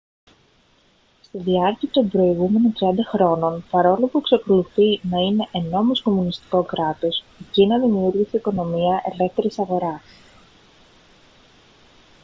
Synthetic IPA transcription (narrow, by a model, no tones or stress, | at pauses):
st̪iðiɐɾciɐt̪o̞mbɾo̞iɣume̞no̞nt̪ɾiɐnd̪ɐxɾo̞no̞npɐɾo̞lopuekseko̞luθinɐine̞ʔːno̞mosko̞munist̪i̥ko̞kɾɐt̪o̞s | ecinɐðiniuɾʝisiiko̞no̞miɐʔe̞le̞ft̪e̞ɾisɐɣo̞ɾɐs